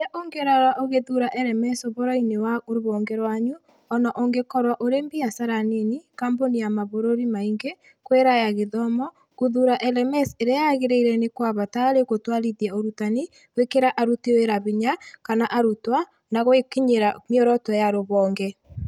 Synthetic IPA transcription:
aʔoŋɡeɾaɾaʔoɣeðuɾaʔɛɾɛmɛsoβoɾɔinewaoɾoβɔŋɡɛɾwaɲu | ɔnɔʔoŋɡekɔɾwaʔoɾembiasaɾanenikambonijamaβoɾoɾimaiŋɡe | kweɾajaɣeðɔmɔ | kuðuɾaʔɛlɛmɛseɾeajaɣeɾeiɾɛnekwaβataɾekotwaɾiðiaoɾutani | wekeɾaʔaɾuteweɾaβiɲakanaʔaɾutwa | naɣwekiɲeɾamioɾɔtwɛjaɾoβɔːŋɡɛ

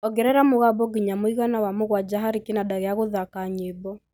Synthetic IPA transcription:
ɔɡɛɾɛɾamoɣabɔɡiɲamoiɣanawamoɣwad͡ʒaɦaɾikenadaɣɛaɣoðakaɲebɔ

